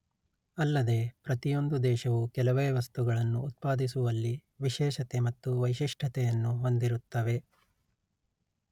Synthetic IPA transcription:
ɐlːɐd̪e̞pɾɐt̪ijo̞nd̪ud̪ɛːʃɐʋukɛlɐʋeːʋɐst̪uɡɐɭɐnːuːt̪̚paːd̪is̬uʋɐlːi | ʋiʃɛːʃɐt̪emɐt̪ːuʋɐjʃiʂʈʰɐt̪ɛjɐnːuɦo̞nd̪iɾut̪ːɐʋe̞

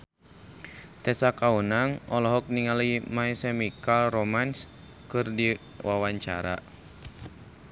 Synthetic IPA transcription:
t̪ɛsakaunaŋʔɔlɔɦɔk̚niŋalimaisɛmikalromans | kɨrdi | wawaɲt͡ʃa̰ɾa̰

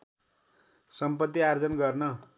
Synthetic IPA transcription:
sʌmpʌt̪ːiard͡zʌnɡʌrnʌ

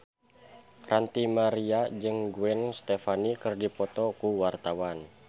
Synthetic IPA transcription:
rant̪imaɾiad͡ʒɨŋɡuɛnst̪efanikərdipɔt̪ɔkuwart̪awan

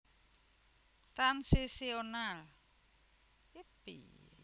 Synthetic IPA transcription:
t̪ansisional | ipḭ

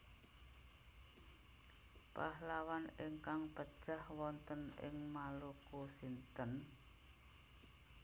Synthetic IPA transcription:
pahlawanɪŋkaŋpəd̥ʒ̥ahwɔnt̪ənɪ̰ŋmalukusint̪ən

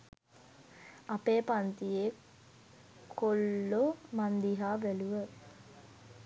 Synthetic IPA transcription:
apeːpant̪ijeː | kʰolːomand̪iɦaːʋeluʋə

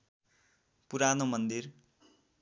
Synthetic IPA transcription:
puɾanomʌnd̪ir

